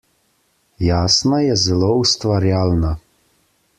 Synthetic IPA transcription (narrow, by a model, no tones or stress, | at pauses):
jaːsnajɛzɛloust̪ʋaɾjaːlna